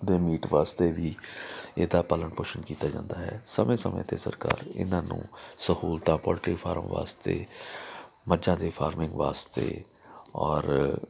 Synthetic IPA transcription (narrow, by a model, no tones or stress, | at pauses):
d̪eːmiːʈʋaːst̪eːʋiːeːd̪aːpələɳpʊʃənkiːt̪aːd͡ʒã̰ːnd̪aːɦɛːsəmẽːsəmḛ̃ːt̪eːsəɾka̰ːɾɪ̰nãːnṵ̃ːsəhuːlt̪ãːpɔːlʈɾiːpʰaːɾəmʋa̰ːst̪ḛː | məd͡ʒãːd̪eːpʰaːɾmɪ̃ŋɡʋaːst̪ḛː | ɔːɾ